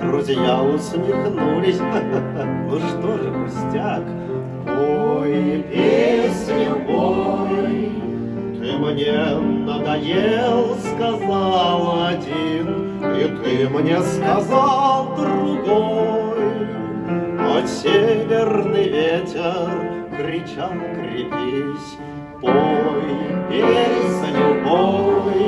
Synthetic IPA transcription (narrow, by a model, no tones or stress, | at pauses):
drʊzʲɪjaʊsmʲɪxnulʲɪsʲ | vɨʂt̪oʐɨkʊsʲtʲak | t̪ojpʲesʲnʲɪvoj | t̪ɨmnʲenəɡɐjelˠskazɑlˠɐdʲin | it̪ɨmnʲeskazalˠd̪ɾʊɡoj | ɐsʲevʲernɨjvʲetʲɪr | kɾʲɪt͡ɕalˠkɾʲɪpʲisʲ | po | pʲesʲlʲʊboj